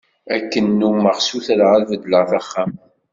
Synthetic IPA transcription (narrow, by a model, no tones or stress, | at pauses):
ækːənːuməʁsuθɾəʁælvəd̪ləʁθæχːæm